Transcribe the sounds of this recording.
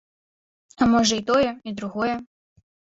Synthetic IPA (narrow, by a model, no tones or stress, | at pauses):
amɔʐɐit̪ɔjɛid̪ɾuɣɔjɛ